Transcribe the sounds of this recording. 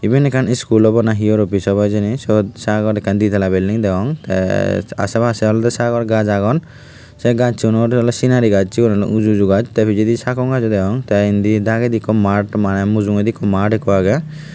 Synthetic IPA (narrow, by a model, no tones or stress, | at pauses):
ibinɛkʰaniskulɔbɔnaɦiɔɾɔpisɔbajd͡ʒinisɔd̪saɡɔɾɛkʰːand̪it̪ɛlabɛlːiŋd̪ɛɔŋt̪ɛ̰a̰sɛbʱasɛɔlɔt̪ɛsaɡɔɾɡad͡ʒaɡɔn | sɛɡad͡ʒt͡ʃʰunɔɾɔlɔsinaɾiɡad͡ʒt͡ʃikɔnalɔ̰ʔud͡ʒud͡ʒuɡad͡ʒt̪ɛpʰid͡ʒid̪isakɔŋɡad͡ʒɔd̪ɛɔŋt̪aind̪id̪aɡɛd̪ikːɔmaʈmanɛmuzuŋed̪ikːɔmaʈɛkɔaɡɛ